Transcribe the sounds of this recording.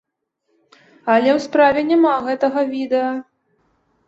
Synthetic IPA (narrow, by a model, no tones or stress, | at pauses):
ɐlʲɛwspɾavʲɛnʲamaɣɛt̪ɐɣɐvʲid̪ɛjɐ